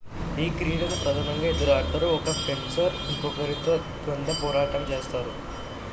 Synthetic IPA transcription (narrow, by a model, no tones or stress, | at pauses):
iːkɾiːɽɐnpɐðɐmɐŋɡɐed̪uɾaːʈːɐɾuɔkːɐfemsɐɾikːokɐɾit̪ːɐ | k̪ɐnd̪ɐpoːɾaːʈːɐmt͡ʃeːst̪aːɾu